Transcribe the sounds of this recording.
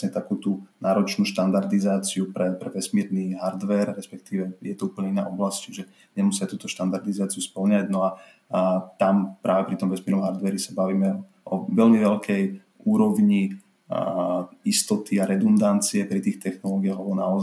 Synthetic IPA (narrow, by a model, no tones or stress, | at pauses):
ɲɛt̪akuːt̪unaːɾɔt͡ʃnuːʃt̪and̪aɾd̪izaːt͡siupɾɛpɾɛʋɛsmiːɾniːɦaɾd̪ʋɛɾɾɛspɛk̚t̪iːʋɛjɛt̪ɔuːpəɲɛina̰ːʔɔblasct͡ʃiʒɛ | ɲɛmusɪat̪uːt̪ɔʃt̪and̪aɾd̪izaːt͡siuspl̩ɲaɟnɔa | t̪ampɾʔaːʋɛpɾit̪ɔmʋɛsmiɛɾnɔmɦaɾd̪ʋɛɾisabaʋiːmɛ | ʔɔʋɛlmiʋɛʎkʰɛj | uːɾɔʊɲi | ist̪ɔt̪iaɾɛd̪und̪ant͡siɛpɾit̪iːxt̪ɛxnɔlɔːɡiaɦlɛbɔnaɔz